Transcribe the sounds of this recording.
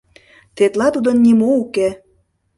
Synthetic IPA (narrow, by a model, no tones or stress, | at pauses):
t̪et̪lɑt̪ud̪ə̆nːimouke